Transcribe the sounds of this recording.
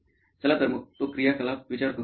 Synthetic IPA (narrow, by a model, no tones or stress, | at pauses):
sɐlaːt̪ɐɾmʊpokɾijakɐlaːpʋɪt͡ʃaːɾko